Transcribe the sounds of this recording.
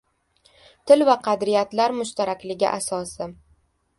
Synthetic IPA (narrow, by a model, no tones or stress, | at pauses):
t̪ʰɪlvaqʰɑd̪ɾijat̪laɾmʊʃt̪ʰaɾakʲlɪɡʲɪ̰ʔasɒsɪ